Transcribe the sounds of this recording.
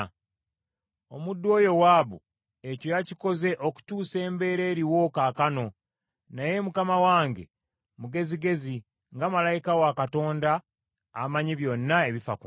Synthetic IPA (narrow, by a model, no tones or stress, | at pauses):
o̞̰mudːwo̞ːjo̞waːβu | e̞co̞jaciko̞ze̞ʔo̞ku̥tuːse̞ːmbe̞ːɾe̞ːɾiwo̞kakano̞ | naje̞mukamawaːŋɡe̞̰ | muɡe̞ziɡe̞zi | ŋɡamalajikawakato̞ːndaː | maɲiβjo̞nːae̞βifa̰ku